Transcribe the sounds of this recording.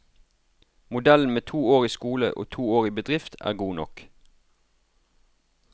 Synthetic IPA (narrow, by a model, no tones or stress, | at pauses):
mʊd̪ɛln̩meːt̪ʰuːoːʁiːskuːlə̰ʔo̰ːt̪ʰuːoːʁiːbəd̪ʁɪft̪ʰæ̰ːʁɡuːnɔ̰k